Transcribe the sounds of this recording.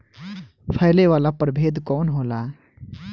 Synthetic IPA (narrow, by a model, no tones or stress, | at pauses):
pʰaɪleʋaːlapəɾbʱeːd̪kɔːnɦoːlaː